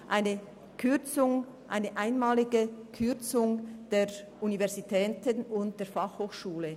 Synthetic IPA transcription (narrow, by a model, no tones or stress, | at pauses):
ʔaɪnə | kʰʏt͡sʊŋ | ʔaɪnəʔaɪnmaːlɪɡəkʰʏʁt͡sʊŋd̥eː | univɛɐzitʰɛːtənʊnt̚d̥eːɐfaχhoːxʃuːlə